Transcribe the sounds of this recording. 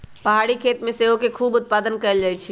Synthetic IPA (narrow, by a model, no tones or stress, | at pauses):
pəɦaɽikʰet̪mẽseɦokekʰuːbut̪̚pad̪ənkəeld͡ʒajt͡ʃʰi